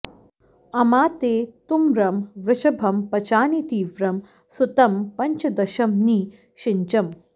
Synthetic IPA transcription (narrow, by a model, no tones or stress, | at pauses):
ɐmaːt̪eːt̪umɾɐmʋɾɪʃɐbʱɐmpɐt͡ʃaːnit̪iːʋɾɐm | sut̪ɐmpɐɲt͡ʃɐd̪ɐʃɐmniː | ʃɪɲt͡ʃɐm